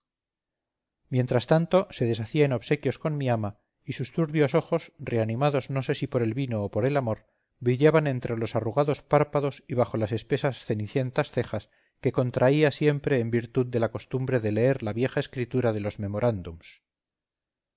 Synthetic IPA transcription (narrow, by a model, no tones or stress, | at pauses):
mje̞nt̪ɾast̪ant̪o̞se̞ðe̞saθiaeno̞βse̞kjo̞sko̞nmiama | isust̪uɾβjo̞so̞xo̞sre̞anĩmaðo̞zno̞se̞sipo̞ɾe̞lβino̞ːpo̞ɾe̞lamo̞ɾ | bɾiʎaβanẽ̞nt̪ɾe̞lo̞saruɣaðo̞spaɾpaðo̞siβ̞axo̞lase̞spe̞sasθe̞niθje̞nt̪asθe̞xas | ke̞ko̞nt̪ɾʔaiasje̞mpɾe̞ːmbiɾt̪uðd̪e̞lako̞st̪umbɾe̞ðele̞e̞ɾlaβje̞xaeskɾit̪uɾað̞e̞lo̞zme̞mo̞ɾʔand̪ums